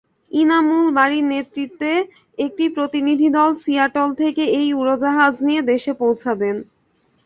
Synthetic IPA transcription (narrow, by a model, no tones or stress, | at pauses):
inamulbaɾinet̪ɾit̪ːe | ek̚ʈipɾot̪inid̪ʱid̪ɔlsiaɾʈolt̪ʰekeejuɾod͡ʑaɦad͡ʑnied̪eʃepowt͡ɕʰaben